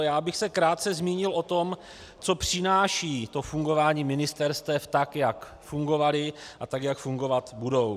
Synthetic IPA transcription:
jaːbɪxsɛkɾaːt̪̚t͡sɛzmiːɲɪlʔo̞t̪o̞m | t͡so̞pr̝̥ɪnaːʃiːt̪o̞fuŋɡo̞vaːɲiːmɪnɪst̪ɛɾst̪ɛft̪akjak | fuŋɡo̞valɪʔat̪akjakfuŋɡo̞vat̪budo̞w

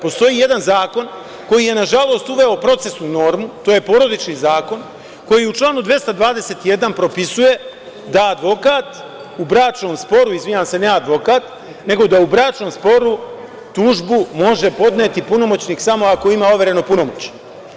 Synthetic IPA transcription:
po̞st̪o̞jije̞d̪anzaːko̞n | ko̞jije̞naʒalˠo̞ːst̪uʋe̞opɾo̞t̪se̞snuno̞ːɾmut̪o̞je̞po̞ɾo̞d̪it͡ʃnizaːko̞n | ko̞jiut͡ʃlˠaːnud̪ʋe̞st̪ad̪ʋaːd̪e̞se̞t̪ije̞d̪anpɾo̞pisuje̞ | d̪aːd̪ʋo̞kaːt̪ | ubɾaːt͡ʃno̞ːmspo̞ɾuizʋiɲamse̞nead̪ʋo̞kaːt̪ | ne̞ɡo̞d̪aubɾaːt͡ʃno̞mspo̞ɾu | t̪uːʒbumo̞ʒe̞po̞d̪net̪ipuno̞mot͡ɕniːksamo̞ako̞imaoʋe̞ɾe̞no̞puno̞mot͡ɕ

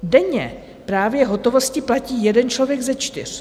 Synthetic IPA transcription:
dɛɲɛ | pɾaːvjɛɦo̞t̪o̞vo̞scɪplaciːjɛdɛnt͡ʃlo̞vjɛɡzɛt͡ʃt̪ɪ̰r̝̥

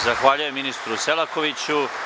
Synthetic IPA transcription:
zaxʋaːʎujeminist̪ɾuselakoʋit͡ɕu

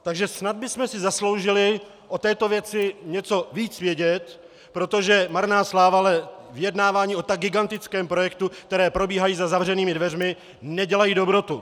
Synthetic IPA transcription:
t̪aɡʒɛsnad̪̚bɪsmɛsɪzaslo̞wʒɪlɪ | ʔo̞t̪ɛːt̪o̞vjɛt͡sɪɲɛt͡so̞viːt͡svjɛɟɛt̪ | pɾo̞t̪o̞ʒɛmaɾnaːslaːvalɛvɪjɛdnaːvaːɲiːʔot̪aɡ̚ːɪɡant̪ɪt͡skɛːmpɾo̞jɛkt̪uk̚t̪ɛɾɛːpɾo̞biːɦajiːzazavr̝ɛniːmɪdvɛrmɪ | nɛɟɛlajiːdo̞bɾo̞t̪u

